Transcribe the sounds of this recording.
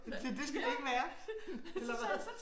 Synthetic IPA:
d̥id̥e̝sɡ̥ædueɡ̥əʋæːɐ | elɐʋ

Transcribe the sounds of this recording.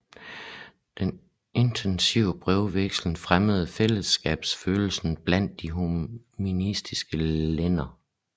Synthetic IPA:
d̥en | e̝nt͡sʰensiʊəb̥ʁɛʊʋeɡ̥sln̩fʁaməð̞̩ˠfel̰əsɡ̥ɛ̰ːb̥sføːl̩sn̩b̥læn̰d̥ːiɦuminisd̥isɡ̥əlenɐ

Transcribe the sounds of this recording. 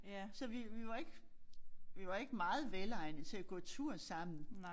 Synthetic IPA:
sɒ̽ʋiʋiʋɑ̈e̝ɡ̥ | ʋiʋɑ̈e̝ɡ̥əmɑ̈ːð̞̩ˠʋelɑ̈ɪnət͡sʰe̝æɡ̥ɔ̰̽ːt͡sʰuɐ̰sɑ̈m̰n̩

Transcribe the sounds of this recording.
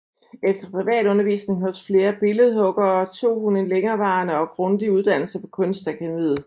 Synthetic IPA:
efd̥ɐpʰʁiʋɛ̰ːd̥ɔ̽nɐʋḭːsne̝ŋɦɒ̥̽sfle̝ːɐb̥e̝ləð̞̩ˠɦɔ̽ɡ̥ɐːɒt͡sʰo̝̰ːhunenleŋɐːʋɑ̈ːnəɒ̽ɡ̥ʁɔ̽nd̥iuð̞ˠd̥æn̰l̩sɐpʰɒ̥̽kʰɔ̽nsd̥ækʰænmḭð̩ˠ

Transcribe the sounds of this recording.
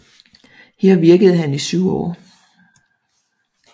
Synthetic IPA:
heɐ̰ʋiɐɡ̥əð̞̩ˠɦænisyʊɒ̰ː

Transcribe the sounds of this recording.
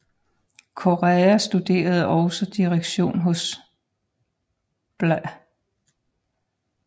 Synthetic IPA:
kʰo̝ʁɛæsd̥ud̥e̝̰ːɐð̞̩ˠɒʊsɒd̥iʁeɡ̥ɕo̝̰ːnɦɔ̽s | b̥la

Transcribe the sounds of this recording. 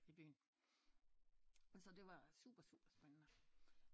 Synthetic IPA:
ib̥y̰ːn̩ | sɒ̽d̥e̝ʋɑ̈sṵb̥ɐsṵːb̥ɐsb̥enənə

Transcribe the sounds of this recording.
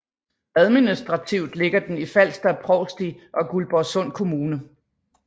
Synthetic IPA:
æð̞ˠminisd̥ʁɑ̈t͡sʰiʊ̰d̥le̝ɡ̥ɐd̥enifæl̰sd̥æpʰʁɒʊsd̥iʔɒ̽ɡ̥ulb̥ɒsɔ̽n̰kʰo̝muːnə

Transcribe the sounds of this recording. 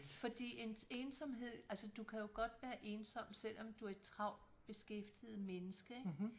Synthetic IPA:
fɒ̽d̥ḭːe̝nseːnsɒ̽mɦe̝ð̰ˠælsəd̥ukʰæjo̝ɡ̥ɒ̽d̥ʋæːɐʔe̝ːnsɒ̽m̰̥sel̰ʔɒ̽md̥uæɐ̥t͡sʰʁɑ̈ʊ̰ | b̥e̝sɡ̥efd̥ið̞̩ˠmenəsɡ̥əeɡ̥

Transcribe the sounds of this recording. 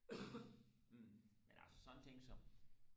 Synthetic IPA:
menʔæ̰lsə̥sɒnnt͡sʰe̝ŋ̰ɡ̥sɒ̽m

